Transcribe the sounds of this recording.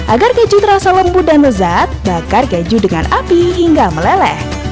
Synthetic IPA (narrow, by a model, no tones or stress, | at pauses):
ʔaɡarkɛd͡ʒut̪əɾasaləmbudanəzat̪̚bakarked͡ʒudəŋa̰napiɦiŋɡaməlɛlɛ̰h